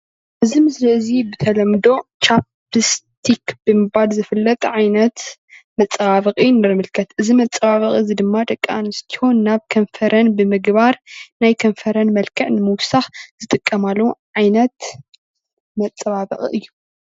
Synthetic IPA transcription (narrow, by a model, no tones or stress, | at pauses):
ʔɨzimɨslɐzibɨt̪ʰɐlɐmd̪o̞t͡ʃap | ɨst̪ʰikbɨmɨbalzɨfɨlːɐt̪ʼʕajnɐt̪mɐt͡sʼːɐβaβɨkʼinɨɾɨmɨlkʰɐt̪ʔɨzimɐt͡sʼːɐβaβɐχʼiɨzid̪ɨmːat̪ʼɐkʼːanɨst̪ʰi̥honːaβkʰɐɱfɐɾɐnbɨmɨɡbaɾnajkʰɐɱfɐɾɐnmɐlkʰɐʕnɨmɨwʊsaxz̥ɨt̪ʼɨkʼːɐmalːɐwuʕajnɐt̪ | mɐt͡sʼːɐβaβɨ̰χʼḭʔɨjːu